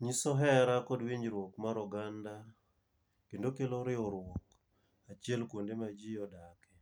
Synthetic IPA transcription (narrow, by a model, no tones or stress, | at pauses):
ɲisɔɦɛɾakɔdwiɲɾwokmaɾɔɡanda | kendokeloɾɪɔɾwok | at͡ʃjɛlkwondemad͡ʒijɔdakɛ